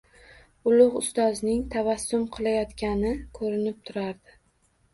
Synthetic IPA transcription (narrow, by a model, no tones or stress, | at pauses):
ʊlˠʊqʊst̪ɒznɪŋt̪ʰavasːʊmqʰɨlˠajɒt̪kʲanɪkʰɵɾɪnɪp̚t̪ʰʊɾaɾd̪ɪ